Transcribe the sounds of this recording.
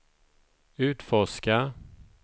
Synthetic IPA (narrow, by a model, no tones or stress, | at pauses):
ʉ̟ːt̪fɔʂka